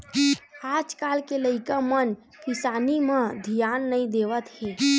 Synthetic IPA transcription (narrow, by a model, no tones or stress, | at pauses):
aːd͡ʒkalkeləɪkamən | kisanimə̃d̪ʱijanːəĩd̪eʋət̪ɦẽ